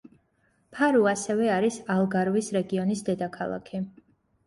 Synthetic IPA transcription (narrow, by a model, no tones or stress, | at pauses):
pʰaɾuasɛvɛaɾisalˠɡaɾvisɾɛɡiɔnisd̪ɛd̪akʰalˠa̰kʰi